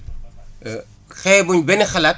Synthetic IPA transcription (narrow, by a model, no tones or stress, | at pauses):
xɛːbuɲbɛnixɐlɐt̚